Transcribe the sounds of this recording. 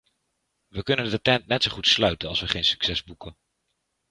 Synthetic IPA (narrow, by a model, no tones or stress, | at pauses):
ʋəkɵnəndətɛntnɛtsowχutslœɥtənɑlˠsʋəχejnsy̥ksɛzbukən